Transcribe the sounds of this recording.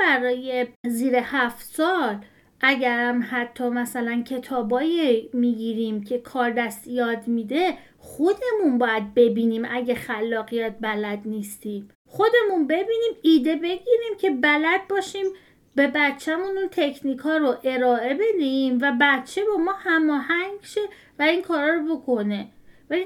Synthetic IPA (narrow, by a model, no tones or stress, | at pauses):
bæɾɒːje̞ziːɾe̞hæft̪sɒːl | ʔæɟæɾæmhæt̪ʰːɒːmæsælæncʰe̞t̪ʰɒːbɒːjemiːɟiɾiːmcʰe̞kʰɒːɾd̪æst̪jɒːd̪miːd̪e̞ | χo̞d̪e̞munbɒːjæd̪̚be̞biːniːmʔæɟexælːɒːɣijæt̪̚ʰbælæd̪nist̪iːm | χo̞d̪e̞munbe̞biːniːmiːd̪e̞be̞ɟiːɾiːmcʰe̞bælæd̪̚bɒːʃiːm | be̞bæt̪t͡ʃʰːæmununt̪ʰe̞cʰniːkʰɒːɾoʔe̞ɾɒːʔe̞be̞d̪eimvæbæt̪t͡ʃʰe̞bɒːmɒːhæmɒːhæŋɡʃe̞ | væiŋkʰɒːɾɒːɾobo̞kʰo̞ne̞væli